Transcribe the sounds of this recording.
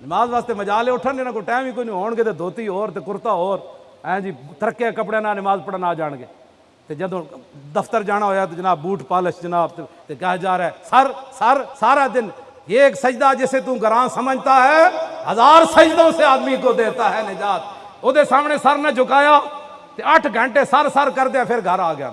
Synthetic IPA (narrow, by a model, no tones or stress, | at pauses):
nɪmaːzʋaːst̪eːməd͡ʒaːleːʊʈʰːənenãːkoʈɛːmiːkoːnĩɦoːɳɡeːt̪eːd̪ʱoːt̪iːɦoːɾt̪eːkʊɾt̪aːɦoːɾ | ɛ̃d͡ʒiːt̪əɾəkːeaːkəp̬ɽeːnaːnɪmaːzpəɽaːnaːd͡ʒaːɳɡḛː | t̪eːd͡ʒəd̪õːd̪əpʰt̪əɾd͡ʒaːɽaːɦoːjaːt̪od͡ʒɪnaːbbuːʈʰpaːləʃd͡ʒɪnaːbt̪t̪eːkaːd͡ʒaːɾɛːsəɾsəɾsaːɾaːd̪ɪn | jeːksəd͡ʒd̪aːd͡ʒɪseːt̪̬ũːɡəɾãːsəməd͡ʒt̪aːɦɛːɦəzaːɾsəd͡ʒd̪õːseːaːd̪miːkoːd̪eːt̪aːɦɛːnɪd͡ʒaːt̪̚ | od̪eːsaːmɽeːsəɾned͡ʒʊkaːjaː | t̪eːəʈʰɡʱə̃ɳʈeːsəɾsəɾkəɾd̪eãːpʰɪɾɡʱəɾaːɡɪja̰ː